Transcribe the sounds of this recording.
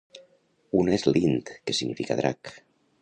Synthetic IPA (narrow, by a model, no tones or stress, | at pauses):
unezlint̪kesiɣnifika̰ðɾʔa̰k